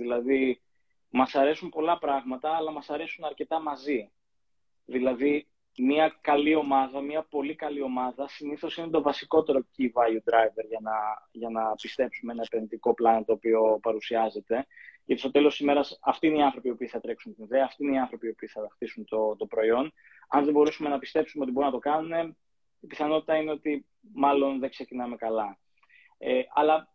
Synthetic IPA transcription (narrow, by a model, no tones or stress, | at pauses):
ðilɐði | mɐsɐɾe̞sumpo̞lɐpɾɐɣmɐt̪ɐːlɐmɐsɐɾe̞sunɐɾce̞t̪ɐmɐzi | ðilɐði | miɐkɐlio̞mɐðɐmɐpo̞likɐlio̞mɐðɐsiniθo̞sinet̪o̞vɐsiko̞t̪e̞ɾo̞civɐjud̪ɾɐjve̞ɾʝɐnɐʝɐnɐpist̪e̞psumee̞nɐepenðit̪iko̞plɐnot̪oːpio̞pɐɾusiɐze̞t̪e̞ʝɐt̪ist̪o̞t̪e̞lo̞st̪izime̞ɾɐsɐft̪iːne̞iɐnθɾo̞piopiːθɐt̪ɾe̞ksunt̪iniðeɐːft̪iine̞iɐnθɾo̞piopiːθɐðɐxt̪isunt̪ot̪opɾo̞io̞n | ɐ̰nðebo̞ɾusume̞nɐpist̪e̞psumeot̪ibo̞ɾunɐt̪o̞kɐnune̞ | ipiθɐno̞t̪it̪ɐine̞o̞t̪i | mɐlo̞nðeɡse̞cinɐme̞kɐlɐ | eʔɐlɐ